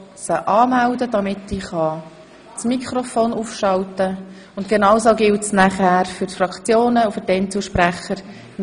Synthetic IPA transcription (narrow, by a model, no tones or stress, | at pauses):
səʔɑːmældəd̥ɑmɪtːiːχɑ | t͡smikʰχɾofoːnufʃɑltə | ʊntɡ̥enɑwsoɡɪltsnæχæːɾfʏɾtfrɑkt͡sjoːnəufʏɾtɛnt͡suʃpɾæχəɾ